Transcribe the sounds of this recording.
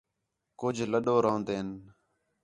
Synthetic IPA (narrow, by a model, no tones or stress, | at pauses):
kʊd͡ʒʱləɗoːɾoːnd̪eːn